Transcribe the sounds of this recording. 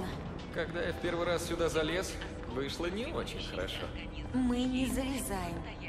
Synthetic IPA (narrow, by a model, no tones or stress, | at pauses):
ə | kɐɡd̪ajafʲpʲe̞rvɨjɾassʲʊd̪azɐlʲe̞s | vɨʂlˠənʲɪot͡ɕɪnʲxəɾɐ̰ʂo̰ | mɨnʲɪzəvʲɪzajɪm